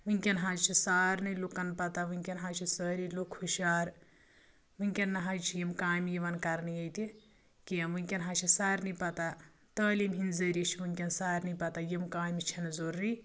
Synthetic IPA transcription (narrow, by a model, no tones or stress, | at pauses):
ʋɨŋʲkʲɐnɦãːd͡ʒt͡ʃʰisaːɾnɐlukɐnpɐt̪aʋuŋʲkʲɐnɦãːt͡ʃʰisəːɾilokʰːuʃaːɾ | ʋɨŋʲkʲɐnːɐɦad͡ʒt͡ʃʰijimkaːjmjiʋɐnkɐɾnɨjɐjt̪i | kijɐʋuŋʲkʲɐnɦãt͡ʃʰisaːɾnipɐt̪a | t̪əːlimɦinzəɾit͡ʃʰiʋuŋʲkʲɐnsaːɾnipɐt̪ajimkaːjmit͡ʃʰɐnzoɾːi